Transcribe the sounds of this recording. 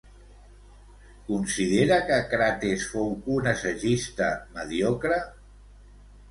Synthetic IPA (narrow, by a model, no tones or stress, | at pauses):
kunsið̞eɾəkəkɾat̪esfowunəsəʒist̪əməðjɔkɾə